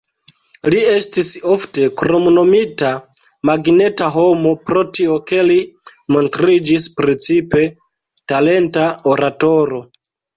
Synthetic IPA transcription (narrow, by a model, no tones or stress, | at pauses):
lie̞stiso̞fte̞kɾo̞mono̞mita | maɡne̞taɦo̞mo̞pɾo̞tio̞ke̞limo̞ntɾid͡ʒispɾit͡sipe̞ | tale̞ntaoɾato̞ɾo̞